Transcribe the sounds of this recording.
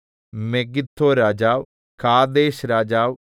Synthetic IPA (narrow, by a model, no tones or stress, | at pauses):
meːɡɪt̪ʰːoːɾaːd͡ʒaːʋ | kʰaːd̪eːʃɾaːd͡ʒaːʋ